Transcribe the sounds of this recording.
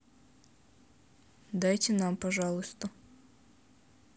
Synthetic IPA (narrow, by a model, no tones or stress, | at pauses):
d̪ajtʲɪnampɐʐɑlˠʊst̪ə